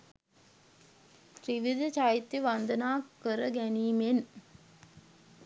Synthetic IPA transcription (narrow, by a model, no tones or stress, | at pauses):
ɾiʋid̪ɐt͡ʃajit̪ːiʋɐnd̪ɐnaːkːəɾəɡæniːmen